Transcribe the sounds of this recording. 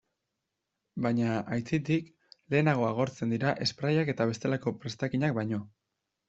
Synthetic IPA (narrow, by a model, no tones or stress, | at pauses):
bajɲaʔajt͡sit̪ik | le̞ːnaɣ̞o̞aɣ̞o̞ɾt͡se̞nd̪iɾaʔe̞spɾajake̞t̪aβ̞e̞st̪e̞lako̞pɾe̞st̪akiɲak̚bajɲo̞